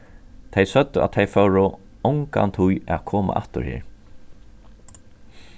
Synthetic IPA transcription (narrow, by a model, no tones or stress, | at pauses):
t̪ʰejsœt̪ːʏa̰t̪̚t̪ʰejfœwɾʊ | ɔwŋka̰nt̪ʰujaðkʰɔːma̰ʔa̰ht̪ʊ̰ɹhɪ̰ːɹ